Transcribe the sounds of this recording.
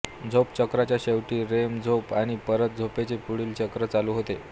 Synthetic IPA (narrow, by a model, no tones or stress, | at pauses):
d͡zʱopt͡ɕəkɾat͡ɕjaɕeʋʈiːɾemd͡zʱopaɽ̃ipəɾət̪̚d͡zʱopet͡sepuɽiːlt͡ɕəkɾət͡saluːɦot̪e